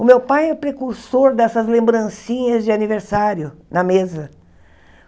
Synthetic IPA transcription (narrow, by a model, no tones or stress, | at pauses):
ʊmewpajɛpɾekuɾsoɾd̪ɛsɐzlẽmbɾɐ̃sĩɲɐzd͡ʒɪaniveɾsaɾjʊnɐmezɐ